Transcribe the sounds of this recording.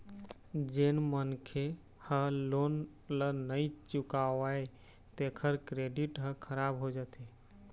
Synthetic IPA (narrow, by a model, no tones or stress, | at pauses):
d͡ʒenmənkʰe | həlon | lənəjt͡ʃukawae | t̪ekʰəɾkɾeɖiʈɦə̃kʰəɾabɦod͡ʒat̪e